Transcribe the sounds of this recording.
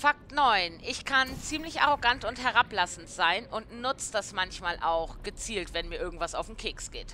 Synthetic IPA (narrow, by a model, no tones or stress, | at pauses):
fak̚tnɔʏnʔɪçkʰant͡siːmlɪçʔaʁoɡantʊnthɛɐʁaplasn̩tz̥aɪnʊntnʊt͡səd̥asmançmaːlʔaʊxɡ̥ət͡siːltv̥ɛnmiːɐɪɐɡŋ̩tv̥asaʊfm̩kʰɪːksɡ̥eːt